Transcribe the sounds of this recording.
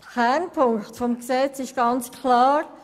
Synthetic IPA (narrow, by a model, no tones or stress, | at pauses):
kænpʰʊŋχtfɔmksɛt͡sɪʃɡ̥ɑnt͡skʰlɑːɾ